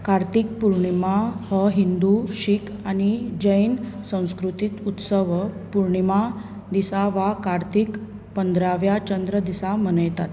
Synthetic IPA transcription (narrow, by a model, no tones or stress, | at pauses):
kaɾt̪ik̚puɾɳimahəɦind̪uɕikañid͡ʑəjnsə̃w̃skɾut̪it̪ut̪səʋpuɾɳima | d̪isaʋakaɾt̪ik | pənd̪ɾaʋjat͡ɕənd̪ɾəd̪isamənəjt̪at̪